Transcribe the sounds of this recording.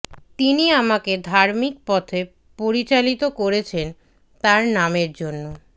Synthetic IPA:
t̪iniamaked̪ʱaɾmik̚pɔt̪ʰe | poɾit͡ɕalit̪okoɾet͡ɕʰen | t̪aɾnameɾd͡ʑonːo

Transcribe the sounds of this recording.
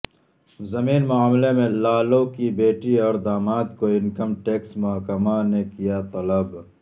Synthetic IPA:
zɐmiːnmʊaːmlemẽlaːlokibeːʈiɔːɾd̪aːmaːt̪koɪnkəmʈeːksmʊɦkəmanekijat̪ɔləb

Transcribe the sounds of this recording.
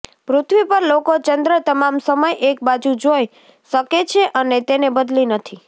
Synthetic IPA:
pɾʊt̪ʰʋipəɾlokot͡ʃənd̪ɾət̪əmamsəməjʔek̚bad͡ʒud͡ʒoj | ʃəket͡ʃʰeʔənet̪enebəd̪linət̪ʰi

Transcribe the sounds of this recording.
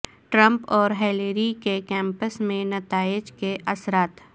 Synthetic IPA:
ʈɾə̃mpɔːɾɦɛːleɾikekɛ̃ːmpəsmẽnɐt̪aːɪd͡ʒkeʔɐsɾaːt̪

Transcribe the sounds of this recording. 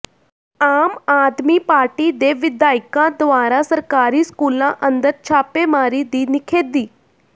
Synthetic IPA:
aːmaːd̪miːpaːɾʈid̪eːʋɪd̪aːɪkãd̪ʋaːɾasɐɾkaːɾiskuːlãʔə̃nd̪əɾt͡ʃʰaːpemaːɾid̪iːnɪkʰeːd̪iː

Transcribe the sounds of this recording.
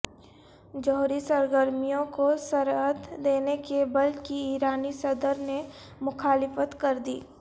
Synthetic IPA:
d͡ʒɔɦɾisɐɾɡəɾmijõkosɐɾɦət̪d̪eːnekebɐlkiiːɾaːnisɐd̪əɾne | mʊxaːlɪfət̪kɐɾd̪ḭː

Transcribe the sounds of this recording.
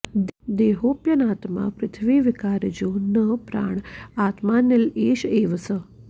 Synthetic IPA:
d̪eːɦoːpjɐnaːt̪ma̰ːpɾɪt̪ʰʋiːʋikaːɾd͡ʒoːnəpɾa̰ːɳaːt̪maːnjɐleːʃeːʋəsə

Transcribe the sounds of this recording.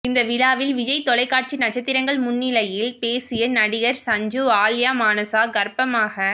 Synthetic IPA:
ɪnd̪ɐʋɪlaːʋɪlʋɪd͡ʒɐɪt̪ːɔɭɐɪkːaːʈ̚t͡ʃinɐt͡ʃːɐt̪ːɪɾɐŋɡɐɭmʊnːɪlɐjɪlpeːsɪjɐnɐɽɪɣɐɾsɐɲd͡ʒuaːljaːmaːnɐsaːɡɐɾpɐmaːɣɐ

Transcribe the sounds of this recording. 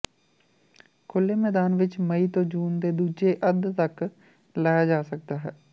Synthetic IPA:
kʰʊlːemɛːd̪aːnʋɪt͡ʃmɐit̪õːd͡ʒuːnd̪eːd̪uːd͡ʒeʔəd̪t̪ək | laːjad͡ʒaːsək̚d̪aːɦɛː

